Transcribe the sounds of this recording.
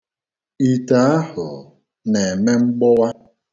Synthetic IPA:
i˨ta˨a˦hʊ˨ | ne˨me˦ŋ͡m̩˦ɡ͡bɔ˦wa˦

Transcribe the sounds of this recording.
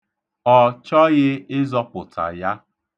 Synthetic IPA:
ɔ˨t͡ʃɔ˦ɣɪ˦ɪ˦zɔ˦pʊ˨tʰa̰˨ja˦

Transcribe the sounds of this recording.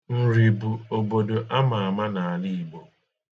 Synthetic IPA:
n̩˨ɾi˨bu˨o˨bo˨do˨ʔa˦ma˨a˨ma˦na˨a˨li˦i˨bo˨

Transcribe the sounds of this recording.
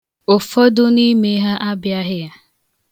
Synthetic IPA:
ʊ˨fɔ˦dʊ˦ni˦me˦ɦa˦ʔa˦bja˦ɦɪ˦ja˦

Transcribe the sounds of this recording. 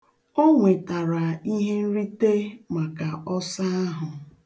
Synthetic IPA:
o˦ŋʷe˨ta˨ɾa˨i˦ɦe˦n̩˦ɾi˦te˦ma˨ka˨ʔɔ˦sa˦a˦ɦʊ˨

